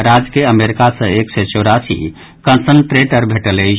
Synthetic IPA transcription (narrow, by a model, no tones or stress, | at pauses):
ɾad͡ʒkeəmeɾikasə̃eksɛt͡ʃɔɾasḭ | kənsəɳʈɾeʈəɾbʱeʈəlej